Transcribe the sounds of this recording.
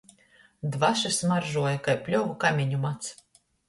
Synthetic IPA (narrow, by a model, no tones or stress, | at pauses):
d̪vaʃɨsmaɾʒuɔjakajpʲlʲɔɡukamʲiɲumat̪s